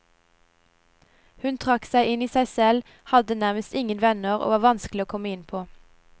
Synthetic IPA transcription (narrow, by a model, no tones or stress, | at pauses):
hʉnt̪ʰʁɑksæɪɪniːsæɪsɛl | hɑd̪ənæʁməst̪ɪŋənʋɛnəʁo̰ːʋɑːʋɑnsklɪoːkʰɔməɪnpʰoː